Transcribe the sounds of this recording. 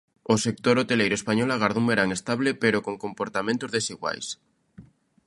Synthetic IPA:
osek̚t̪oɾot̪elejɾoespaɲolaɣaɾðũmbeɾaŋest̪aβlepeɾokoŋkompoɾt̪amẽnt̪ozðesiɣwa̰js

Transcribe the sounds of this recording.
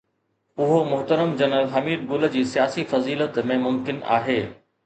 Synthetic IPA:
ʊɦomʊɦt̪əɾəmd͡ʑɐnəlɦɐmiːd̪̚ɡʊld͡ʑiːsijaːsifɐziːlət̪mẽmʊmkɪna̰ːɦeː

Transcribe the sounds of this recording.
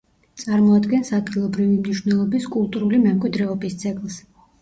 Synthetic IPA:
t̪sʼaɾmɔad̪ɡɛnsad̪ɡilˠɔbɾivimniʃwnɛlˠɔbiskʼulˠt̪ʼuɾulimɛmkʼwid̪ɾɛɔbist̪sʰʼɛɡlˠs

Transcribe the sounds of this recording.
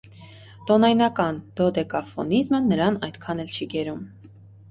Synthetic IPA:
t̪ɔnɑjnɑkɑnd̪̥ɔd̪ɛkɑfɔ̰nizmənəɾɑnɑjd̪kʰɑnɛlt͡ʃʰiɡɛɾum

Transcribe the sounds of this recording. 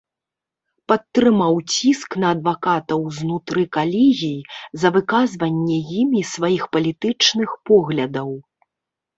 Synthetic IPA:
pɐt̪ːɾɨmawt͡sʲisknɐːd̪vakat̪ɐwznut̪ɾɨkalʲiɣʲijzɐvɨkazvɐnʲːɛjimisvajixpɐlʲit̪ɨt͡ʂnɨxpɔɣlʲɐd̪ɐw

